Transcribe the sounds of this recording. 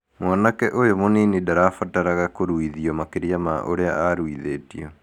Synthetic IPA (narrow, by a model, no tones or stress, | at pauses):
mwɔnakɛʔojomoninidaɾafataɾaɣakoɾuiðiɔmakeɾjamaʔoɾeaaɾwiðeːtiɔ